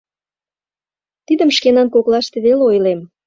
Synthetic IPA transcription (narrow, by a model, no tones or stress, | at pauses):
t̪id̪ə̆mʃkenɑnkoklɑʃt̪eβeleojlem